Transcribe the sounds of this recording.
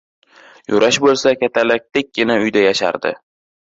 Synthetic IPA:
jʊɾaʃbolˠsakʲat̪ʰalak̚ʲt̪ek̚ʲɡ̥ʲɪnaʊjd̪ajaʃa̰ɾd̪ɪ̰

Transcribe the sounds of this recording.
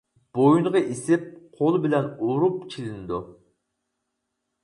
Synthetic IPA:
b̥ojuɴʁɑʔisɪp̚qʰolˠbɪlɛnoɾupt͡ʃʰilɪnɪd̪u

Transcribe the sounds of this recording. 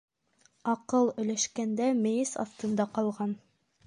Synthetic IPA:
ɑqɤlˠɵ̆jlæʃkænd̪æmɘ̆jɘsɑ̰ft̪ɤ̆nd̪ɑqɑlˠʁɑn

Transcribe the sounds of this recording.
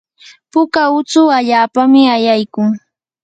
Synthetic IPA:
pʊkaʊt͡sʊaʎaːpamɪajajkʊŋ

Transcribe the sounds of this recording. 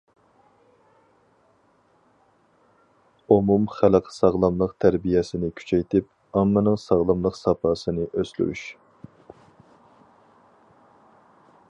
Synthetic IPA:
omumχælqʰsɑʁlˠɑmlˠəqt̪ʰæɾbijɛsɪnɪkʲʰy̥t͡ʃʰɛjt̪ʰɪp | ɑmːɨnɨŋsɑʁlˠɑmlˠəqsɑpʰɑːsɨnɨʔøsly̰ɾy̰ʃ

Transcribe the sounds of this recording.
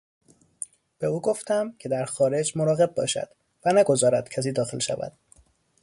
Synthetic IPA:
b̥e̞uːɡo̞ft̪æmcʰe̞d̪æɾxɒːɾe̞d͡ʒmo̞ɾɒːɣe̞b̚bɒ̰ːʃæ̰d̪̥ | vænæɡo̞zɒːɾæd̪̥cʰæs̬iːd̪ɒːxelʃæ̰væ̰d̪̥

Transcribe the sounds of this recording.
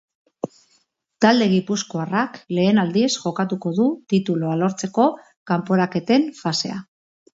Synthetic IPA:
t̪ald̪e̞ɣ̞ipusko̞arakle̞ːnald̪iesʝo̞kat̪uko̞ðut̪it̪uloalo̞ɾt͡se̞ko̞ | kampo̞ɾake̞t̪e̞ɱfase̞̰a

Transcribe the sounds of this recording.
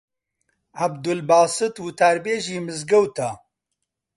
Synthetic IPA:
ʕabd̪ʊlbaːsɨt̪wut̪ʰaːɾbeːʒiːmɨzɡɐwt̪ʰa

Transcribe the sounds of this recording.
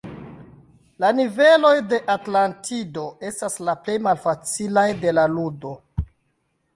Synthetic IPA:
lanive̞lo̞jde̞ʔatlantʰido̞e̞staslaple̞jmalfat͡silajde̞laludo̞

